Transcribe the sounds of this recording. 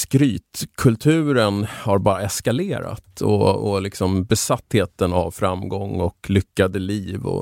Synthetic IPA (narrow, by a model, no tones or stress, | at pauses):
skɾyːt̪kʰɵlt̪ʰʉ̟ːɾənhaɾbɑːɾaɛskaleːɾa̰t̪ʰɔ̰ɔlɪksɔmbɛsat̪ːheːt̪əna̰vfɾamɡɔŋːɔklʏkːad̪əliːvɔ̰